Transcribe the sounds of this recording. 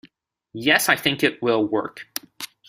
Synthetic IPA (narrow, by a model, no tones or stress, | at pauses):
jɛsaɪθɪ̃ŋkɨt̚wɪlˠwɜ̰˞k